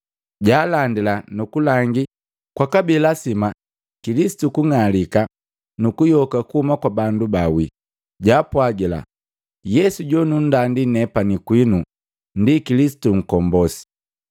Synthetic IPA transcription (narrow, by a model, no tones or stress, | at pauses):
ɟaːlandilanukulaŋɡi | kwakabilasima | kilisi̥tukuŋalika | nukujɔkakuhumakwabandubawi | ɟaːpwaɡila̰ | jɛsuɟɔnun̩dandinɛpanikwinu | ndikilisi̥tuŋ̩kɔmbɔsi̥